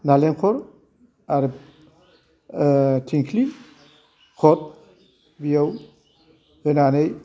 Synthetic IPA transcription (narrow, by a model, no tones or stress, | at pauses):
nalenkʰɔɾ | aɾ | tʰiŋkʰli | kʰɔt̪̚ | bijaw | hɯnanej